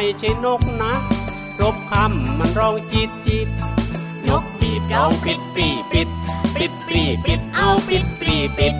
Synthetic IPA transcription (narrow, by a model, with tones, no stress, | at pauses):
jt͡ɕʰa˨˧˦jno˦˥k̚na˦˥ʔ | ɾo˦˥p̚kʰa˧˩˨mːa˧˥˨nɾɔː˧˩ŋt͡ɕi˧˩t̪̚t͡ɕi˧˩t̪̚ | ɲo˦˥k̚pi˨˩a˧˩ŋpi˨˧˩t̪̚pi˨˧˩pi˧˩t̪̚pi˨˧˩t̪̚pi˨˩pi˨˩t̪̚ʔa˧wpi˨˩t̪̚pi˧˩pi˧